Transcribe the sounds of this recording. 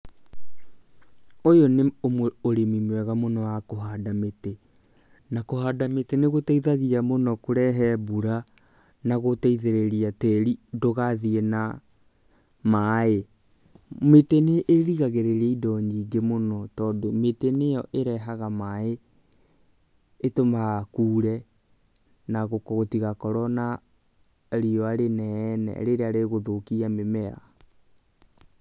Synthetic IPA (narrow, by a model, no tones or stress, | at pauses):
ojoneomwɛoɾemimwɛɣamonɔwakoɦadamete | nakohaːdameteneɣotɛiðaɣiamonɔkoɾɛɦɛbuɾa | naɣotɛiðeɾeɾiatɛɾidoɣaðiena | mae | meteneʔeɾiɣaɣeɾeɾeidɔɲiɡemonɔtɔːdometenejɔʔeɾɛɦaɣamae | tomakuːɾɛ | naɣokɔɣotiɣakɔɾɔna | ɾiɔaɾenɛːnɛ̰ɾeɾeaɾeɣoðokiamemɛa̰